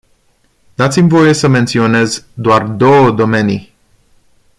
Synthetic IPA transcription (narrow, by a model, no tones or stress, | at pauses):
d̪̥at̪simʲvo̞je̞səme̞nt̪sio̞ne̞zd̪oard̪o̞wəd̪o̞me̞ni